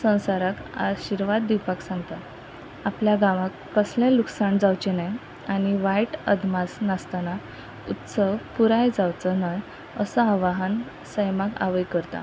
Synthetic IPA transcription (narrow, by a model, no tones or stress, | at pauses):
sə̃w̃saɾaka̰ɕiɾʋad̪ːiwpaksãŋɡt̪a | apljaɡãʋakːəslãluksaɳd͡zawt͡ɕenaj | añiʋajʈə̰d̪ʱmasnast̪ana | ut̪səʋpuɾajd͡zawt͡sənaj | əsəaʋaɦan | səjmaka̰ʋəjkəɾt̪a̰